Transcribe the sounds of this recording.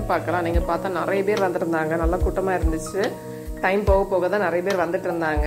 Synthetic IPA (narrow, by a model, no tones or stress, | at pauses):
paːɾkɐlãːniːŋɡɐpaːɾt̪ãːnɪɾɐjɐpeːɾʋɐnd̪ɯɾɯnd̪aːŋɡɐnɐlːaːkuːʈːɐmaːɪɾɯnd̪ɯt͡ʃːɯ | ʈɐɪmpoːɣɐpːoːɣɐt̪ãːnɪɾɐjɐpeːɾʋɐnd̪ɯʈːɪɾɯnd̪aːŋɡɐ